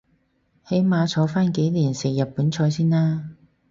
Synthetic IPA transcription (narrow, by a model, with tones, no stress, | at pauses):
he˨˥jmaː˨˧t͡sʰɔː˨˥faː˥nke˨˥jliː˨˩nsɪ˨˩jjɐ˨t̚puː˨˥nt͡ʃʰɔː˨˧jsiː˥naː˥